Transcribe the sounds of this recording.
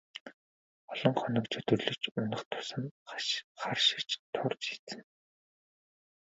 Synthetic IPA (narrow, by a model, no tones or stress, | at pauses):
ɔɮɞ̆ŋχɔnɞ̆kt͡ɕʰœt̪ɵ̆rɮɵ̆kt͡ɕʊnə̆χt̪ʰʊ̥sə̆n | χarʃɪ̥̆kt͡ɕt̪ʰʊrt͡ɕʃit͡sɘ̆n